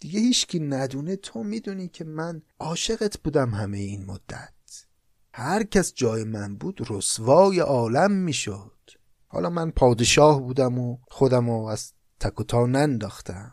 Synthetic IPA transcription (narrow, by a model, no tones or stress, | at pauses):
d̪̥iɡehiːt͡ʃcʰiːnæd̪uːnet̪ʰomiːd̪uːniːcʰemænɒːʃeɣet̪ʰb̥uːd̪æmɦæmejeiːnmod̪̥ːæt̪ | hæɾcʰæsd͡ʒɒːjemænbuːd̪̥rosvɒːjeʔɒːlæmːiːʃod̪̥ | hɒ̰ːlɒːmænpʰɒːd̪eʃɒːhbuːd̪æmoxod̪æmoæz̥ | t̪ʰækʰot̪ʰɒːnænd̪ɒːxt̪ʰæm